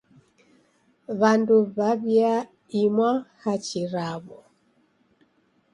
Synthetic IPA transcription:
βanduβaβja | imwahat͡ʃiɾaβɔ

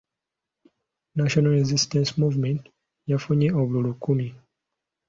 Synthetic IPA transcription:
naʃɔnalɛzist̪ɛ̃nsmuvmɛ̃nt | jafuɲiɔblulukumi

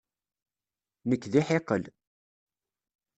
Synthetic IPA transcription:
nəkːðiħeqəl

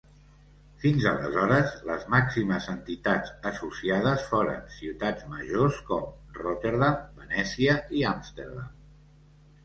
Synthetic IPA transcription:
finzələ̰zɔɾəzlə̰zmaksiməzənt̪it̪ad͡zəsusiað̞əsfoɾə̰nsiwt̪ad͡zməʒoskɔmrot̪eɾðambənɛsiəiamst̪eɾða̰m

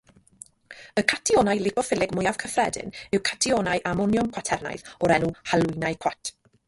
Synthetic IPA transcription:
əkʰatʰiɔːnajlˠɪpɔfɪlˠɪɡmʊjav̥kʰəfrɛdɪ̰nɪwkʰatʰiɔːnajʔamɔnjɔmkʰwatʰɛrna̰jðɔɾɛnuhalˠʊnajkʰw̥atʰ

